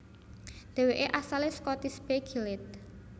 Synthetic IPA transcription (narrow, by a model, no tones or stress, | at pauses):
d̪̥e̤weʔeʔasaleskɔt̪ispeɡilet̪̚